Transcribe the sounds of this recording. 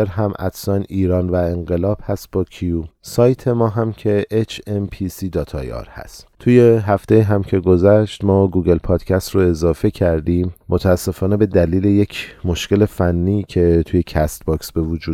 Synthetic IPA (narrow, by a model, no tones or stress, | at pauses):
eɾɦæmʔæ̰d̪sɒːniːɾɒːnvæeŋɢe̞lɒːb̥hæst̪̚bɒːcʰijusɒːjt̪ʰe̞mɒːɦæmcʰe̞ʔet͡ʃʰempʰisiːd̪ɒːt̪ʰɒːjɒ̰ːɾhæ̰st̪t̪ʰuːje̞ɦæft̪ejiːɦæmcʰe̞ɡo̞zæʃt̪mɒːɡuːɡe̞lpʰɒːd̪̥cʰæst̪roe̞zɒːfe̞cʰæɾd̪iːmːʔot̪ʰæːsːe̞fɒːne̞be̞d̪æliːle̞jecʰmo̞ʃce̞le̞fænːiːcʰe̞t̪ʰuje̞cʰæst̪bɒːksbe̞vud͡ʒuː